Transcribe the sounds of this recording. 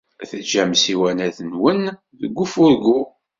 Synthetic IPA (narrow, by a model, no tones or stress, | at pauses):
θəd͡ʒːæmsiwænæθənwən | ðəɡʷːufʊɾɡu